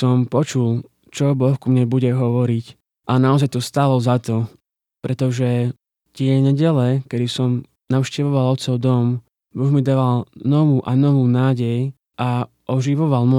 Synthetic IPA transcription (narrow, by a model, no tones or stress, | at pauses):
sɔmpɔt͡ʃul | t͡ʃɔbɔxkumɲɛbuɟɛɦɔʋɔɾic | ʔanaɔzajt̪ɔst̪aːlɔzat̪ɔ | pɾɛt̪ɔʒɛ | t̪ɪɛɲɛɟɛlɛkɛd̪isɔm | naʊʃcɛʋɔʋalɔt̪sɔʊd̪ɔm | bɔɣmid̪aːʋalnɔʋuːʔanɔʋuːnaːɟɛj | ʔa | ʔɔʒiʋɔʋalmɔ